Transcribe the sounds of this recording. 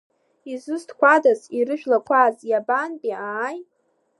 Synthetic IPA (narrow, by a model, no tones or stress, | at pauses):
izɨstʰkʷʰadaziɾɨʒᶣlakʷʰazjabanpʼiaːj